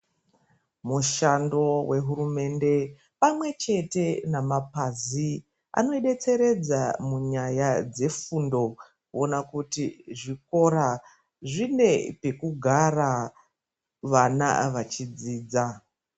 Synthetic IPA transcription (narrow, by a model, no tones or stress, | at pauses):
muʃando̞we̞ɦuɾume̞nde̞ | pamwe̞t͡ʃe̞te̞namapazi | a̰no̞iɗe̞t͡se̞ɾe̞d͡zamuɲajad͡ze̞fundo̞ | kuonakutiʐiko̞ɾa | ʐine̞pe̞kuɡʱara | ʋana̰ʋat͡ʃid͡ziːd͡za